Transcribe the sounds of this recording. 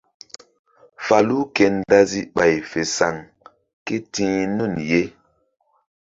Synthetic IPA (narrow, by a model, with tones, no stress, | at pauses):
fa˨lu˦kɛ˨nda˦zi˦ɓa˨jfe˨sa˨ŋ | ke˦tĩ˦nu˦˨nje˦